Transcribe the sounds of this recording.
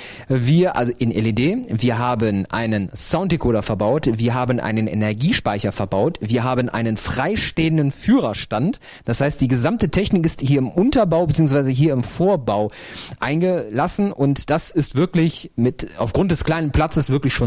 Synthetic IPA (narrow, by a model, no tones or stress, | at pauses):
viːɐʔa̰lzoʔɪnʔɛledeːviːɐɦaːbənʔa̰ɪnənsaʊntɪkʰoːɾɐfɛɐbaʊtviːɐɦaːbənʔa̰ɪnənɛ̰nɛɐɡiːʃpaɪçɐfɛɐbaʊtv̥iːɐɦaːbənʔa̰ɪnənfʁ̥aɪʃteːəndənfyːʁɐʃtant | d̥ashaɪstd̥iːɡəzamtətʰɛçnɪkɪsthiːɐɪmʔʊntɐbaʊbət͡siːʊŋsv̥aɪzəɦiːɐɪmfoːɐbaʊ | ʔaɪnɡəlasn̩ʔʊntd̥asɪstv̥ɪɐklɪçmɪta̰ʊfɡ̥ʁʊnt̚d̥ɛskl̥aɪnənpl̥at͡səsv̥ɪɐklɪçʃoːn